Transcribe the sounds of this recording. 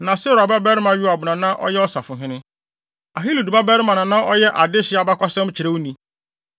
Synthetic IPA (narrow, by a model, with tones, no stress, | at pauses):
nã˨sɛ˦ɾa˨ba˦bɛ˦ɾɪ˦mã˦ɥu˦a˨bʊ˨nã˨nã˦ʔɔ̰˦jɛ˦ɔ˦sa˨fʊ̃˨ɦɪ̃˦nɪ̃˦ | a˨ɦi˦lu˨du˨ba˦bɛ˦ɾɪ˦mã˨nã˨nã˦ʔɔ˦jɛ˦ʔa˨dɪ˦ɕɪ˦a˨ba˦kʷa˦sɛ̃˦m˦t͡ɕʰɪ˨ɾe˦wu˦nĩ˨